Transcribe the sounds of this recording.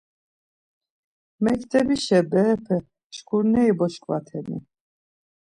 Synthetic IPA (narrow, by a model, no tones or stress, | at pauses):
mɛkʰt̪ʰʼɛbiʃɛbɛːpʰɛ | ʃkʰuɾnɛibɔʃkʼvat̪ʰɛnḭ